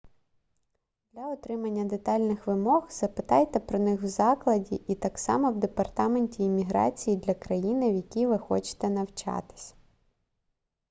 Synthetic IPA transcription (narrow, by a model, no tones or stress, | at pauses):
d̪̥lʲɐɔt̪ɾɪmɐnʲːɐd̪et̪ɑlʲnɪxʋɪmɔɣz̥ɐpɪt̪ɑjt̪ɛpɾɔnɪxwzɑklˠɐdʲiʔit̪ɑksɑ̰mɔwd̪epɐrt̪ɑme̞nʲtʲiːmʲiɦɾɑ̰t͡sʲijid̪lʲɐkɾɐjinɪwjɐkʲiʋɪxɔ̰t͡ʃɪ̥t̪ɛnɐwt͡ʃɑ̰t̪ɪ̥sʲ